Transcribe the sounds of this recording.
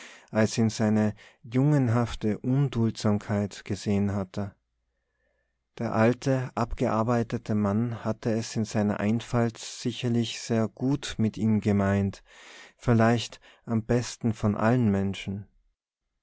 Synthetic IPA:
ʔalsɪnz̥aɪnəjʊŋənɦaftəʔʊndʊltz̥aːmkʰaɪtɡ̥əzeːənɦatʰə | d̥eːɐʔaltʰəʔapɡ̥əʔaɐbaɪtətʰəmanhatəɛsɪnzaɪnɐ̰ʔaɪnfaltz̥ɪçɐlɪçz̥eːɐɡ̥uːtmɪtiːmɡəmaɪntfɪlaɪçt | ʔambɛstn̩fɔnʔa̰lənmɛnʃn̩

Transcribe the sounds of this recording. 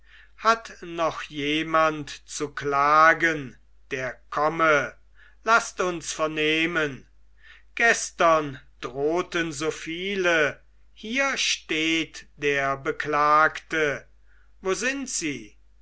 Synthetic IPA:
hatnɔχjeːmantt͡suklaːɡən | d̥eːɐkʰɔmə | lastʊnsfɛɐneːmən | ɡ̥ɛstɐnd̥ʁoːtənzoːfiːlə | hiːɐʃteːtd̥eːɐbəklaːktə | voːzɪntz̥iː

